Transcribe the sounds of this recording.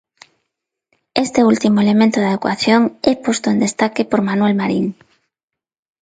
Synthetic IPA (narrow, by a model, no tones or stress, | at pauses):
est̪eult̪imoelemẽnt̪oðaðekwa̰θjoŋɛpost̪oend̪est̪akepoɾmanwelmaɾiŋ